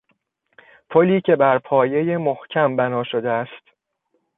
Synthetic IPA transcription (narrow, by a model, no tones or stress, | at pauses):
pʰo̞liːcʰe̞bæɾpʰɒːje̞jemohcʰæmbænɒːʃo̞d̪eæst̪